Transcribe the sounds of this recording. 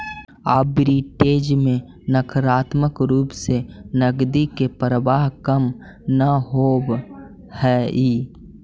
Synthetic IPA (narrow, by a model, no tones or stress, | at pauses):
aːbɾiːʈeːd͡ʒmẽ | nəkʰɾaːt̪məkɾuːpsenəɡd̪ikepɾəʋaːɦkəm | naɦoːb | hɛːiː